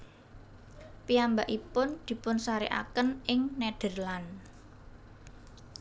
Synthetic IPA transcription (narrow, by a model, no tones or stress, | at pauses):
piambaʔipʊnd̪̥i̤pʊnsaɾiʔa̰kənʔɪŋnɛɖ̥ə̤rlan